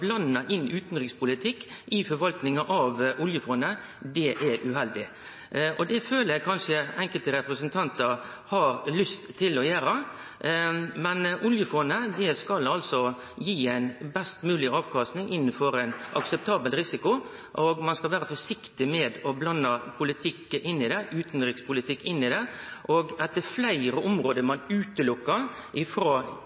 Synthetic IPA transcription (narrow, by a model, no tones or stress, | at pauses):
blɑnːɑʔɪnːʉːt̪nɾɪŋspʊlɪt̪ʰɪkːʔɪfɔɾʋɑlk̪nɪŋɑʔɑʋʔʊljəfɔnə | d̪ɛʔɛɾʔʉɦɛld̪ɪ | ʔɔd̪ɛføːlækʰɑnʂəɛŋkəlt̪əɾɛpɾəsənt̪ʰɑnt̪əɾ | hɑɾlʏst̪ʰːɪlɔjæːɾɑ | mɛnʔʊljəfɔnəd̪ɛskɑlɑlsɔ | jiːæɪnbɛst̪mʉːlɪɑːʋkʰɑst̪nɪŋʔɪnːənfɔɾæɪnʔɑksɛp̚t̪ʰɑːbəlɾɪsɪkʊ | ʔɔɡmɑnskɑlʋæːɾəfɔʂɪkt̪ɪmɛd̪ɔblɑnːɑpʰʊlɪt̪ʰɪkːʔɪnːɪd̪ɛʉːt̪nɾɪkspʊlɪt̪ʰɪkːɪnːɪd̪ɛʔɔɡɛt̪ːəɾflæɪɾəʔɔmɾoːd̪əmɑnʉːt̪əlʊkːəɾʔɪfɾoː